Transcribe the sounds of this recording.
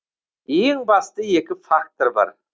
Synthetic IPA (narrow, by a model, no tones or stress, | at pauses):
eŋbɑst̪əje̞kʲɪfakt̪oɾbɑ̰ɾ